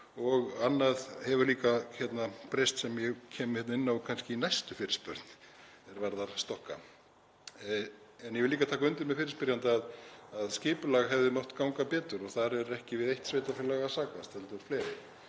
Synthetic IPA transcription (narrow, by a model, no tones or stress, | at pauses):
ɔɣanːaðhɛvʏɾliːkaçɛt̪napɾejst̪sɛmjɛɣcʰɛːmhɛt̪naɪnːakʰanscɪinajst̪ʏfɪːɾɪ̥spœɾt̪n | ɛɾvaɾðaɾ̥st̪ɔhkːa̰ | ɛnjɛvɪliːkat̪ʰaːk̬aʏnt̪ɪɾmɛðfɪːɾɪ̥spɪɾjant̪aaðaðscɪːpʏlaɣɦɛvðɪmɔht̪kawŋkapɛːt̪ʏɾɔɣθaɾɛɾɛhcɪvɪðejht̪svejt̪afɪlaɣasaːkast̪ɛlt̪ʏɾfleːɾɪ